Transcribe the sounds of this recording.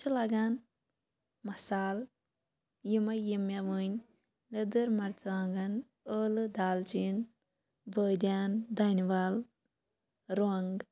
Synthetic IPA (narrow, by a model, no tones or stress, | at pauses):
t͡ʃʰilɐɡan | mɐsaːl | jimɐjimjɐʋɨɲʲ | nɐd̪ɨɾmɐɾt͡sʋaːŋɡɐn | əːlɨd̪aːlt͡ʃin | bəːd̪ʲaːnd̪anʲiʋaːl | ɾoɐŋɡ